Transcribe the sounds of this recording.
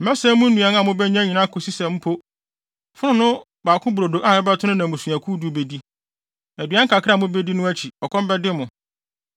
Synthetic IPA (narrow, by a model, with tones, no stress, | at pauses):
m̩˨mɛ˦sɛ˦mũ˦n̩˦nũ˨ɛ˨nã˨mʊ̃˦bɛ˦ɲã˦ɲĩ˨nã˦kʰo˨si˦sɛ̃˨m̩˦pʰo˦ | fʊ˦nʊ̃˦nʊ̃˦ | baː˨kʰʊ̃˦bu˨ɾo˨do˨ʔa˦˨ɪ˦ba˦tʰʊ˦ʊ̃˦nã˨mũ˨sũ˨æ˨kʰu˦du˨˦˨be˨di˦ | æ˨dɥa˦ŋ̩˦kʰa˨kʰɪ˦a˨mʊ̃˦be˦di˦nʊ̃˦æ˦t͡ɕʰi˨ɔ˨kʰɔ̃˦m˦bɛ˦dɪ˦mʊ̃˨